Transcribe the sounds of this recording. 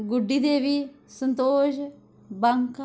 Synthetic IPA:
ɡʊɖːiːd̪eːʋiːsənt̪oːʃ | bəŋk

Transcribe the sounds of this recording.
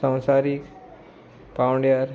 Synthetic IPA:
ãw̃saɾik | pawɳɖjaɾ

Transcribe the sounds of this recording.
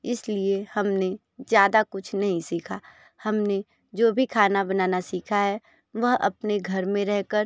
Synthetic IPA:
ɪsliehɐmne | zjaːd̪akʊt͡ʃʰnɐɦĩsiːkʰaː | hɐmne | d͡ʒoːbʱikʰaːnabɐnaːnasiːkʰaɦɛ | ʋɐɦɐ̰pneɡʱɐɾmẽɾɛɦkəɾ

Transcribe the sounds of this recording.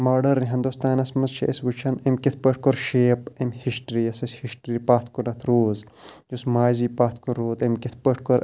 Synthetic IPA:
maːɖɐɾːiɦɐnd̪ust̪aːnɐsmɐzʃʰɐ̰ɐsʋut͡ʃʰɐnɐmkit̪̚ʰpəʈ̚ʰkoɾʃeːpɐmhisʈɾiːɐsɐsʲhiʃʈɾiːpaːt̪ʰkonɐt̪ʰɾoːzd͡ʒusmaːziːpaːt̪koɾːoːd̪ɐmkit̪ʰpəʈʰkoɾ

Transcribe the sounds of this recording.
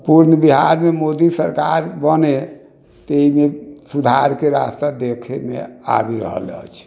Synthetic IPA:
puɾnəbiɦaɾmemod̪isəɾkaɾbəne | t̪eimesud̪ʱaɾkeɾast̪ad̪ekʰemḛa̰biɾə̰ɦə̰lə̰t͡ʃʰ

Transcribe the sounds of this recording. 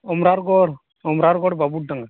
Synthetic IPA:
ɔmɾaɾɡɔɽ | ɔmɾaɾɡɔɽbabuɽdaŋɡa

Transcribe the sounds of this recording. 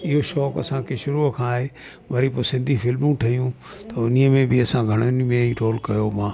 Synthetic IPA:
ɪɦoʃɔːkɐ̰sãkʰeʃʊɾukʰãːɦe | ʋɐɾiposɪ̃nd̪ʱifɪlmũʈʰɐɦijũ | t̪ɐʊniəmẽbɪɐsãɡʱɐɽ̃ʊnmẽiɾoːlkɐjomãː

